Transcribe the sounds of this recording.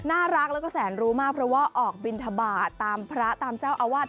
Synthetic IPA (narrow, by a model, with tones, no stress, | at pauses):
naː˥˩ɾa˦˥k̚lɛ˦˥kɔː˥˩sɛː˩˦nɾuː˦˥maː˥˩k̚pʰɾɔ˦˥waː˥˩ʔɔː˨˩k̚bi˧nt̪ʰa˧baː˨˩t̪ːaː˧mpʰɾa˦˥t̪aː˧mt͡ɕaː˥˩wʔa˧waː˥˩t̪̚